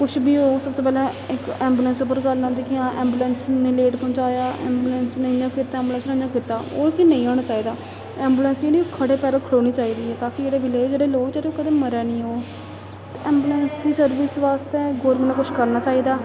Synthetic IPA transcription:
kʊʃʰbiːoːsəb̚t̪oːpɛːlɛː | ɪkɛ̃ːmbuːlənsʊp̬ːəɾkəɾnãːd̪eːkɪãːʔɛ̃ːmbuːlənsneleːʈpʰɔ̃ːɲt͡ʃaːjaːʔɛ̰ːmbuːlənsnəĩjãːkɪt̪ːaɛ̃ːmbuːlə̃nsɾə̃ːd͡ʒãːkɪt̪ːaːo̰ːkinə̃ĩːɔːɳaːt͡ʃaːiːd̪aː | ɛːmbuːlənseːɽiːokʰəɽeːpɛːɾəːkʰəɽoːniːt͡ʃaːiːd̪iːɦɛːt̪aːkɪd͡ʒeːɽeːbɪleːd͡ʒeːɽeːloːɡt͡ʃeːɾeːoːkəd̪eːməɾɛːnĩːɦoː | t̪eːɛ̃ːmbuːlənsd̪iːsəɾʋɪsʋaːst̪eːɡoːɾmənẽːkʊt͡ʃʰkəɾnaːt͡ʃaːiːd̪aː

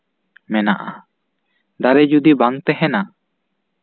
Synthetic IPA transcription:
mɛnaʔa | d̪aɾɛd͡ʒud̪ibaŋt̪ɛɦɛna

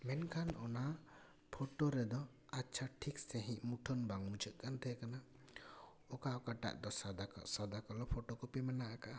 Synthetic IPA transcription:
mɛnkʰanɔna | pʰɔʈoɾɛd̪ɔ | atːʃʰaʈʰikseɦĩʔmuʈʰɔnbaŋmut͡ʃʰəʔ̪̚ˀkant̪ʰɛkana | ɔkaɔkaʈa̰ʔd̪ɔsad̪akɔ̰sad̪akɔlɔpʰɔʈokɔpimanaʔakaʔa

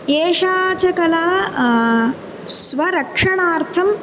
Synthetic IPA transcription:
eːʃaːt͡ʃɐkɐlaː | sʋɐɾɐkʂɐɳaːɾt̪ʰɐm

